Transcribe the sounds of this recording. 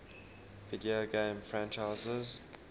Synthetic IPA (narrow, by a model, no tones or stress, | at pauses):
ɪdiəɡẽmfɹæ̃nt͡ʃaɪzəz